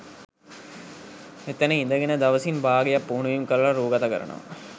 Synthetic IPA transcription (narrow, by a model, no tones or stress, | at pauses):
et̪ːənəind̪əɡenəd̪aʋəsinbaːɡejapːuːnujuŋkəɾəlaɾuːɡat̪akə̰ɾə̰nə̰ʋa̰